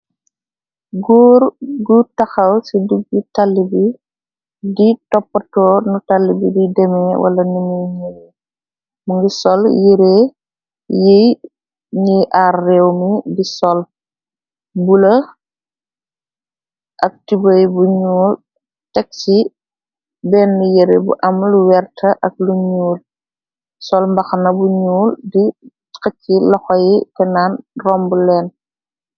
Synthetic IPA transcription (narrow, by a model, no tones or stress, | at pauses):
ɡuɾɡutɐxɐwsiduɡ̚ːitalːibi | ditɔpːɐtɔːnutalːibḭdidɛmɛwʔɐ̰lɐnuniɲijɛ | muŋɡisɔljiɾe | jej | niʔarːɛwmidisɔl | bulɐ | ʔɐk̚tibəjbuɲuːl | tɛk̚t͡ʃi | bɛːnːijiɾḛbṵʔɐmluwɛrtʰɐʔɐk̚luɲuːl | sɔlmbɐxɐnɐbuɲuːldi | kɐcːilɔxɔjitɛnaːnrɔmbulɛːn